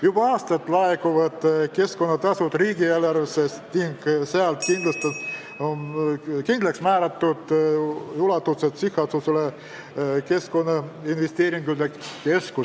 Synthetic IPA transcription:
jubɑɑːst̪ɑt̪ːˑlɑekuvɑd̪̥ke̞sko̞nːɑt̪ɑsut̪riːɡielɑresest̪niŋɡseɑlt̪kind̪lɑst̪u | onkind̪leksmæːɾɑt̪ːud̪̥julɑt̪ːuset̪sihːɑsusele | ke̞sko̞nːɑinvest̪e̞ːɾiŋɡ̥y̥ekke̞sku

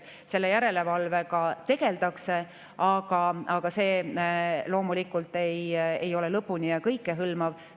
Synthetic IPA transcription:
se̞lːe̞jæɾe̞le̞vɑlve̞kɑt̪e̞ɡ̥e̞ld̪ɑkse̞ | ɑɡ̥ɑɑɡ̥ɑse̞ː | lo̞ːmulikːˑult̪ːejḛjo̞le̞lɤpːunʲiɑkɤjkːˑeɦɯlmɑv

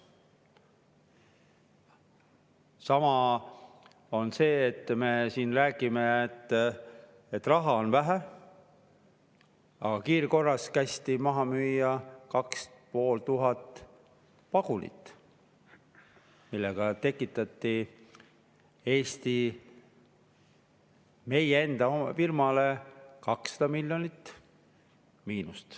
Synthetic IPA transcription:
sɑmɑ | o̞nse̞ːt̪ːme̞siːnræːɡimeet̪ː | et̪ːrɑɦɑo̞nvæɦæ | ɑ̰ɡ̥ɑkiːɾko̞rːɑskæst̪imɑɦɑmyːjːɑkɑkspo̞ːlt̪uɦɑt̪ːˑ | pɑɡ̥unḭt̪ːˑ | milːeɡ̥ɑt̪e̞kːˑit̪ːˑɑt̪ːi | e̞ːst̪i | me̞jee̞nd̪̥ɑomfirmɑle̞kɑksːɑ̥d̪̥ɑmilʲjo̞nit̪ː | miːnust̪

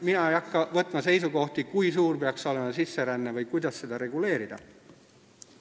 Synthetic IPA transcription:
minɑejɑkːɑvɤt̪ˑmɑse̞jsuko̞ht̪ikujsuːrpeɑkso̞le̞mɑsisːe̞ɾænːevɤjkujd̪̥ɑsːe̞d̪̥ɑɾe̞ɡ̥ule̞ːɾid̪̥ɑ̰

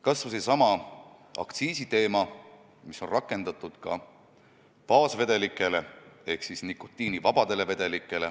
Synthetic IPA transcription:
kɑsvɑsesɑmɑ | ɑ̰kt̪siːsit̪e̞ːmɑ | miso̞nrɑkːˑe̞nd̪̥ɑt̪ˑːud̪̥kɑ̰ | pɑːsve̞d̪̥e̞likːˑe̞le̞e̞hksisnikːo̥t̪ːˑiːnivɑb̥ɑd̪̥e̞le̞ve̞d̪̥e̞likːˑe̞le̞

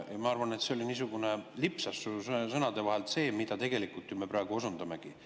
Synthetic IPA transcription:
jɑmɑɑrvɑne̞t̪se̞o̞liniːs̬uɡ̥unelipsɑsusɤnɑd̪e̞vɑɦe̞lt̪se̞ːmid̪ɑt̪e̞ɡ̥e̞likult̪ːjume̞prɑeɡ̥uo̞sund̪ɑme̞ɡ̥i

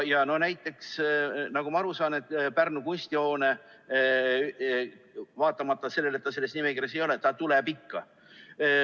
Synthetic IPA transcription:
jɑno̞næjt̪ːˑe̞ksnɑɡumɑɑɾusɑːne̞t̪ːˑpærnukunʲsʲt̪iho̞ːne̞ | vɑːt̪ːˑɑmɑt̪ːˑɑse̞lːe̞le̞t̪ːɑse̞lːesnimekiɾɑs̬ejo̞let̪ːɑt̪ulepikːɑ

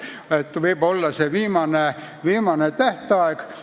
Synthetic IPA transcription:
et̪ːʋiib̥olːɑseʋiːmɑne | ʋiːmɑnet̪æht̪eɑik

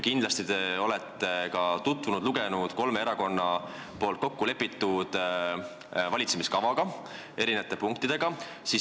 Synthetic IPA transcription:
kind̪lɑst̪it̪eo̞lɛt̪ːe̞kɑt̪ut̪vunud̪̥luɡe̞nud̪̥ko̞lmeeɾɑko̞nːɑ | po̞ːlt̪̚ko̞kːule̞pːˑit̪ːud̪̥ | vɑlʲit̪semiskɑvɑɡ̥ɑ | e̞ɾineɑt̪ːepuŋk̚t̪id̪̥e̞ɡ̥ɑ | si

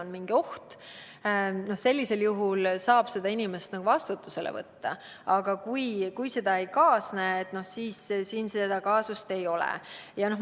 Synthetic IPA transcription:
onmiŋɡ̥io̞ht̪ | no̞hse̞lʲːise̞ljuɦulsɑːb̥se̞d̪̥ɑinime̞st̪nɑkɡuvɑst̪ut̪ːˑuse̞lḛvɤ̰t̪ːɑ̰ | ɑɡ̥ɑkujkujse̞d̪̥ɑe̞jkɑːsnæːet̪ˑno̞hsiːssiːnsed̪̥ɑkɑːsust̪e̞jo̞lɛ̰ | jɑno̞h

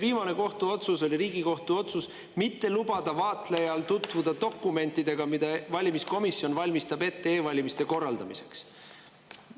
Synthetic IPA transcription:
viːmɑne̞ko̞ht̪uo̞t̪suso̞lʲiɾiːɡ̥iko̞ht̪uo̞t̪sus | mit̪ːe̞lubɑd̪ɑvɑːt̪le̞jɑlt̪ut̪ˑvud̪̥ɑd̪o̞kːˑume̞nt̪ːˑid̪̥e̞ɡ̥ɑmid̪̥ɑvɑlʲimisko̞misjo̞nvɑlʲmist̪ɑbe̞t̪ːe̞eːvɑlʲimist̪e̞ko̞rːɑld̪ɑmise̞̥ks

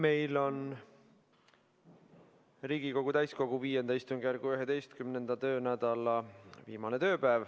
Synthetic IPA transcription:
me̞jlo̞n | riːɡ̥iko̞ɡ̥ut̪æjsko̞ɡ̥uviːje̞nd̪ɑist̪uŋɡjæɾɡ̥uyɦe̞d̪e̞jst̪kymne̞nd̪̥ɑt̪ø̞ːnæd̪̥ɑlɑviːmɑne̞t̪ø̞ːpæːv

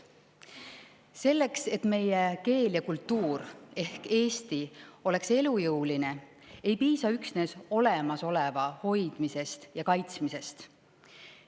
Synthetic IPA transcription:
se̞lːe̞kse̞t̪me̞jeke̞ːljɑkult̪ːuːɾe̞hke̞ːst̪io̞le̞kse̞lujɤwline̞ | ejpiːsɑyksne̞ːso̞le̞mɑso̞le̞vɑho̞jd̪̥mise̞st̪jɑkɑjt̪smise̞st̪

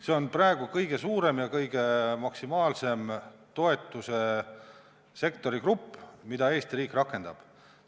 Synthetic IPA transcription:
se̞o̞nprɑeɡ̥ukɤjɡ̥e̞suːɾe̞mjɑkɤjɡ̥e̞mɑksimɑːlse̞mt̪o̞e̞t̪ːˑuse̞ | se̞kt̪o̞ɾikrupːmid̪ɑe̞ːst̪ɾiːkrɑkːˑe̞nd̪̥ɑb̥

